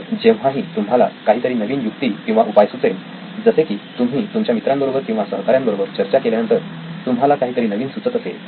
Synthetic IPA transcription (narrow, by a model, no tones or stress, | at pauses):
d͡ʑeʋ̤ãɦiːt̪um̤ala̰kaɦiːt̪əɾiːnəʋiːnjuk̚t̪iːkĩw̃ʋaʔupajsut͡sel | d͡zəsekiːt̪umʱiːt̪umt͡ɕjamit̪ɾambəɾobəɾkĩw̃ʋasəɦkaɾjãmbəɾobəɾt͡ɕəɾt͡ɕakeljanənt̪əɾ | t̪umɦalakaɦiːt̪əɾiːnəʋiːnsut͡sət̪əsḛl